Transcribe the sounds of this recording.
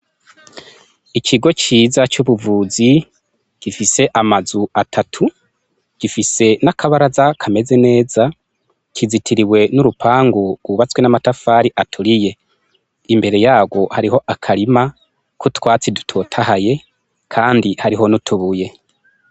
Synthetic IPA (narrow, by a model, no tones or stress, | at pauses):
icʰiɡo̞t͡ʃiːzat͡ʃuβuvuːzi | ɟ̥ifise̞ʔamazuatʰatʰu | ɟ̥ifise̞nakʰaβaɾazakʰame̞ze̞ne̞ːza | cʰizitʰiɾiwe̞nuɾupʰaːŋɡuɡ̥wuβat͡swenamatafaːɾiʔatʰuɾije̞ | imbe̞ɾe̞jaːɡwo̞haɾiɦo̞ʔakʰaɾima | kutwaːt͡sidutʰotʰaɦaje̞ | kʰaːndihaɾiɦo̞nutʰuβuje̞